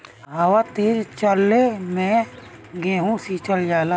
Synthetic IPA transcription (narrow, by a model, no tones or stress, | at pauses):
ɦɐʋat̪iːɾt͡ʃəlːemɛ̃ | ɡeːɦũsiːt͡ʃəld͡ʒaːla